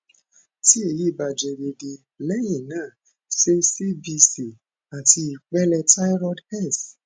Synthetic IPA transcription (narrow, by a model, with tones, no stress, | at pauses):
ti˦e˦˨ji˦˨ba˨d͡ʒɛ˨de˧de˧ | lɛ˦jĩ˦˨nãː˦˨ | se˦si˦bi˧si˨ | a˨ti˧i˨k͡pɛ˦lɛ˧ta˦ɾɔ˦dhɛ˦˨s